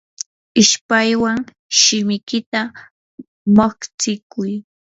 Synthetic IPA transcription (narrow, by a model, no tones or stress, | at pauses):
ɪʃpajwaŋ | ʃɪmɪkɪt̪a | makt͡sɪkʊj